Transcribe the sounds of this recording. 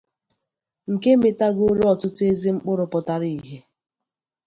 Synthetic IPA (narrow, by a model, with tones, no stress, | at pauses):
ŋ̩˨ke˦me˨ta˦ɡo˦ɾɔ˨tʊ˦te˦zi˦ŋ͡m̩˦k͡pʊ˦ɾʊ˨pɔ˨ta˦ɾi˨ɦe˦